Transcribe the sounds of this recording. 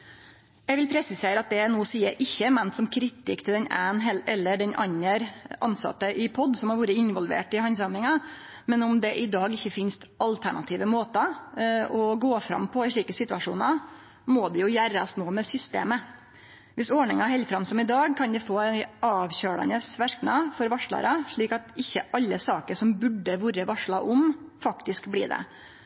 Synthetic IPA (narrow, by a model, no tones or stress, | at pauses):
jɛɡʋɪlpʰɾɛsɪseːɾəɑt̪̚d̪ɛæɾnuːsiːəʔɪçːəmɛnt̪sɔmkʰɾɪt̪ɪkt̪ʰɪld̪ɛnæːnɦɛlɛlːəɖɛnʔɑɲːəɾɑ̰nsɑ̰t̪ːəʔɪpʰɔd̪sɔmhɑɾʋuːɾəɪnʋɔlʋḛːʈɪhɑns̬ɑːmɪŋɑ | mɛnʊmd̪ɛʔɪd̪ɑːɡɪçːəfɪnst̪ɑlt̪ʰæɳɑ̰t̪ʰiːʋəmoːt̪ɑ | ɔɡoːfɾɑ̰mpʰɔɪʂɭiːkəsɪt̪ʉʋɑʂṵːnɑ | mɔd̪ɛjʊjæːɾsnoːmɛsʏst̪ḛːmə | ʋɪsɔɳɪŋɑɦɛlfɾɑmsɔmɪd̪ɑːɡ̚kʰɑnd̪ɛfoːɛɑːʋçøːɽɑ̰nəsʋæɾknɑfɔɾʋɑʂɭɑ̰ɾɑʂɭiːkɑt̪ɪçːəʔɑlːəsɑːkəɾʂɔmbʉɖːəʋuːɾəʋɑʂɭɑʔʊmfɑkt̪ɪskblḭːd̪ɛ̰